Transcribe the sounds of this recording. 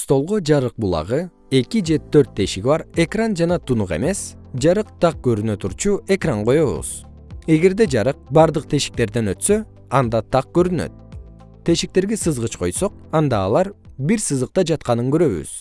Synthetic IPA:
st̪o̞lˠʁod͡ʒɑɾɯq̚bulˠɑ̰ʁɯ | e̞kid͡ʒe̞t̪ʰøɾt̪ʰːe̞ʃiɡʲbɑɾe̞krand͡ʒɑnɑt̪ʰunuqe̞̰me̞s | d͡ʒɑɾɯq̚t̪ʰɑq̚ɡø̞ɾynø̞t̪ʰuɾt͡ʃue̞kraɴqo̞jo̞βṵz̥ | e̞ɡe̞ɾd̪e̞d͡ʒɑɾɯq̚bɑɾd̪ɯq̚t̪ʰe̞ʃi̥k̚t̪e̞ɾd̪e̞nø̞t̪sø̞ | ɑnd̪ɑt̪ʰɑq̚ɡ̥ø̞ɾynø̰t̪̚ | t̪ʰːe̞ʃik̚t̪e̞ɾɡesɯzʁɯt͡ʃqʰo̞jso̞q̚ | ɑnd̪ɑːlˠɑɾ | biɾsɯzɯq̚t̪ɑd͡ʒɑt̪qɑnɯŋɡøɾø̞βy̰z̥

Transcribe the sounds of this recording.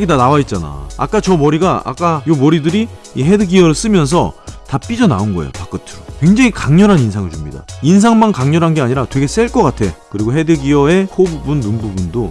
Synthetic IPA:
ɡidanawait̚t͡ɕ͈ana̰ːk͈at͡ɕʌmʌɾiɡaa̰k͈ajomʌɾidɯɾi | iɦe̞dɯɡiʌɾɯɭs͈ɯmjʌns̬ʰʌtap͈id͡ʑʌna̰onɡʌḛjo̰pak͈ɯtʰɯkwe̞ŋd͡ʑeŋikaŋɲʌɾɦaninsʰaŋɯɭt͡ɕumɲida̰ins̬ʰaŋmankaŋɲʌɾɦanɡe̞aɲiɾatwe̞ɡe̞s͈eɭk͈ʌk͈atʰe̞kɯɾiɡoɦe̞dɯɡiʌe̞kʰobubunːumbubundo

